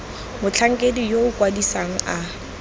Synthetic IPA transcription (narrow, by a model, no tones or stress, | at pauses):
mʊt͡ɬʰaŋ̩kʼedijoʊkʼwadisaŋ̩a